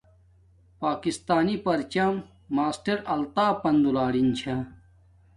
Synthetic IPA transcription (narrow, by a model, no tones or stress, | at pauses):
paːkist̪aːnipɐɾt͡ɕɐmː | aːsʈɐɾɐlt̪aːpɐnd̪ulaːɽint͡ɕʰa